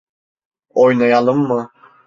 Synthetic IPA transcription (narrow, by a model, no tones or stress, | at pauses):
ojnajalˠɯmːɯ